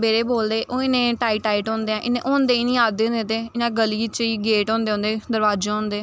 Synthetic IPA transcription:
beːɾeːboːld̪eːʔoːɪnẽːʈaːiːʈaːiːʈɦɔ̃ːnd̪eɛ̃ːʔɪnẽːʔõːnd̪eːinĩːaːd̪ẽːd̪ẽːt̪eːɪnãːɡəliːt͡ʃiːɡeːʈɔ̃ːnd̪eːõːnd̪eːd̪əɾʋaːd͡ʒẽõːnd̪eː

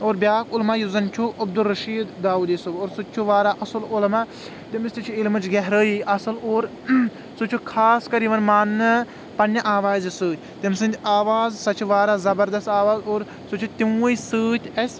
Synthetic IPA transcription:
oːɾbʲjaːkʊlmaːjuzɐnt͡ʃʰuʔɐb̚d̪ulɾɐʃiːd̪d̪aːuːd̪esuboːɾsut͡ʃʰuʋaːɾaʔɐsɨlolma | t̪imsʲt̪it͡ʃʰuilmɨt͡ʃɡɛɦɾəːiʔɐsɨloːɾ | sut͡ʃʰukʰaːskɐɾiʋɐnmaːnːɐ | pɐnjɐʔaːʋaːzʲisɨːt̪ʰʲt̪imsɨ̃nd̪ʲaːʋaːzsɐt͡ʃʰuʋaːɾaːzɐbɐɾd̪ɐst̪aːʋaːzoːɾ | sut͡ʃʰut̪imisɨːt̪ʲʰɐsʲ

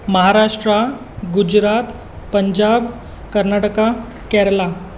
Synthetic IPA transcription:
məɦaɾaʂʈɾa | ɡud͡ʑɾat̪ | pəɲd͡ʑab | kəɾnaʈəka | kɛɾla

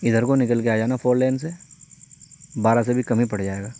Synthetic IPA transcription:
ɪd̪ʱəɾkonɪkəlkeaːd͡ʒaːenafoːɾlɛːnse | baːɾas̬ebʱikɐmĩpɐɽd͡ʒaːeːɡaː

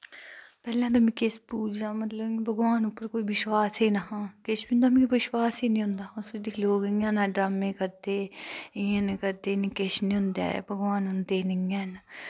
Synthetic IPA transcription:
pɛːlãːt̪oːmẽːkɪspuːd͡ʒnaːmət̪ləbbəɡʋaːnupːəɾkoːiːʋɪʃwaːseːnaɦãːkɪʃbiːʊ̃nd̪aːmɛ̃ːkːʋɪʃwaːseːnĩːɦʊ̃nd̪aːʊsd̪iːloːɡɪːãːnãːɖɾaːmẽːkəɾd̪eːɪːãːnekəɾd̪eːnĩːkɪʃnĩːɦʊ̃nd̪a̰ːɛ̰bəɡʋaːnɦʊnd̪eːnɪãːn

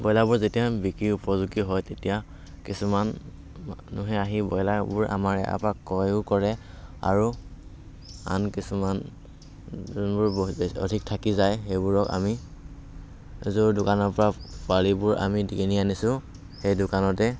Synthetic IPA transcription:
bɔjlabʊɹzetijabikɹiupɔzuɡiɦɔjtetija | kisuman | manuɦɛaɦibɔjlabʊɹʔa̰maɹɛ̰ʔa̰pakːɔjʊkɔɹɛ | a̰ɹu | a̰nkisuman | znbʊɹɔ̰dʱik̚tʰakizajxejbʊɹɔka̰mi | zodʊkanɔɹpɔɹapwalibʊɹʔa̰midikinianisʊ̃ | xejdʊkanɔtɛ

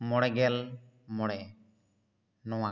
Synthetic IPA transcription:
mɔɽɛɡɛl | mɔɽɛ | nɔwã

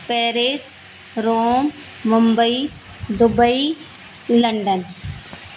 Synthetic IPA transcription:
peːɾes | ɾoːmː | ʊmbəi | d̪ʊbəi | lɐɳɖən

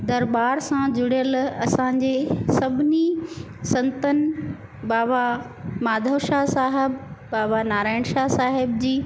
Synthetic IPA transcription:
d̪ɐɾbaːɾsãd͡ʑʊɽijəlɐsãɲ̆d͡ʑeːsɐbʱɪni | sɐ̃nt̪ənɪ | baːʋa | maːd̪ʱəʋʃasaːɦɪbːaːʋanaːɾaːɪɳ̃ʃasaːɦɪbd͡ʑiː

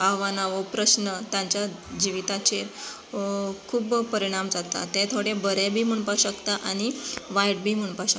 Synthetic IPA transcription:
aʋanaʋəpɾəsnət̪jãɲt͡ɕjad͡ʑiʋit̪at͡ɕe | kʰuːbpəɾiɽ̃amd͡zat̪a̰t̪et̪ʰoɽebəɾebʱiːm̤əɳpaɕəkt̪aʔaɽ̃iʋajʈ̚bʱiːm̤əɳpaɕək

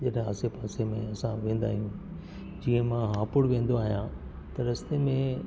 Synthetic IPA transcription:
d͡ʑɐɗɦɪ̃a̰ːsepaːsemẽɐsãʋẽːn̆d̪a̰ːɦijũ | d͡ʑiːə̃mãɦãːpʊɽʋẽːn̆d̪oaːɦijã | t̪ɐɾɐst̪emẽ

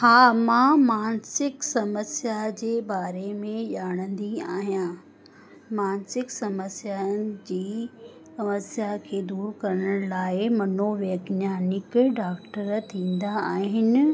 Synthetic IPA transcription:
haːmãmaːnsɪksɐməsjad͡ʑeːbaːɾemẽʄaːɽ̃ə̃nd̪iaːɦjãː | maːnsɪksɐməsjanɪ̆d͡ʑiː | sɐməsjakʰeːd̪uːɾkɐɾəɽ̃laːɪmɐnoʋeːɡnjaːnɪkɖaːkʈəɾt̪ʰĩːn̆d̪aːɦɦɪnɪ̆

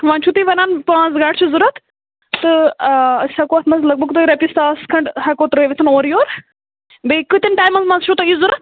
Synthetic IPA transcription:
ʋãːnt͡ʃʰut̪iʋɐnaːnpãːzɡaːɖt͡ʃʰuzuɾɐt̪ʰ | t̪ɨ | sɐkoːɐt̪ʰmɐnzlɐɡ̚bəɡt̪oːiɾɐpʲist̪aːskʰɐɳʈhɐkoːt̪ɾɨiʋet̪ʰɐnoːɾjoːɾ | bekɨt̪inʈaːjmɐzmɐnzt͡ʃʰut̪ɐizuɾɐt̪̚

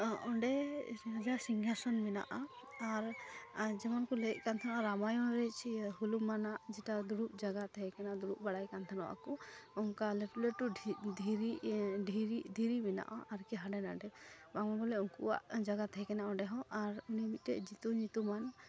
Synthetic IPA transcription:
ɔɳɖɛad͡ʒasiŋɡʱasɔnbɛna̰ʔa | aɾd͡ʒɛmɔnkɔlɛc̚ˀkant̪ʰanaɾamajɔɾɛt͡ʃʰiɦulumanaʔd͡ʒɛʈad̪uɾup̚d͡ʒaɡat̪ʰɛɛkɛnad̪uɾup̚baɽajkant̪ʰanɔwa̰kɔɔŋkalɛʈuleʈud̪ʱiɾiɖʱiɾid̪ʱiɾibɛna̰ʔaʔaɾkɛɦaɖɛnaɖɛbamɔɡɔlɛɔŋkuwa̰ʔd͡ʒaɡat̪ʰɛɛkɛnaʔɔ̃ɳɖɛɦɔ̃ʔaɾunimit̪̚ɾɛʔd͡ʒit̪uɲit̪uman

